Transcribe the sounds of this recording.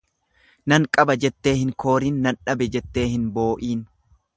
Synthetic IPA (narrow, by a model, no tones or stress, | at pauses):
nɐŋkʼɐbɐd͡ʒɛt̪ːe̞ːhɪŋkʰo̞ːɾiːnːɐnᶑɐbɛd͡ʒɛt̪ːe̞ːhɪnbo̞ːʔiːn